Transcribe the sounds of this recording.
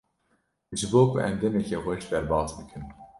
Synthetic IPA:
ʒɨboːkʰṵʔɛmd̪ɛmɛkɛxɛʃd̪ɛɾbɑːt̪bɨkʰɨn

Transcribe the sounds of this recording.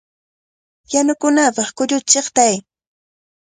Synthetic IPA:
janʊkʊnapɑχkʊʎʊt͡ʃeχt̪aj

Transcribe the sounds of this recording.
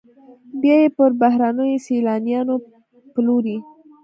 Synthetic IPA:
bjɑjepəɾbahɾanəjoselɑnijɑno | ploɾi

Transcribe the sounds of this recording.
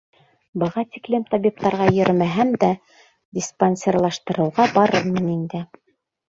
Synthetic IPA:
bɤ̆ʁɑt̪iklɘmt̪ɑbʲip̚t̪ɑɾʁɑjɵ̆ɾmæɦæmd̪æ | dʲisponʲsʲerlˠɑʃt̪ɤ̆ɾɤ̆wʁɑbɑɾɤmɤ̆nind̪ɘ

